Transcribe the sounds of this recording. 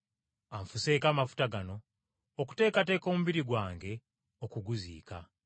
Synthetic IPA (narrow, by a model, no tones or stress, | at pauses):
aɱfuse̞ːkaːmafu̥taɡano̞ː | ku̥te̞ːkate̞ːko̞ːmuβiɾiɡwaːŋɡe̞ | okuɡuzḭːka̰